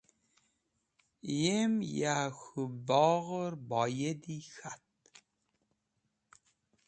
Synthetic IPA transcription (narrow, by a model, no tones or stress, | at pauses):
jemjaxubɔɣəɾbɑjed̪ixat̪̚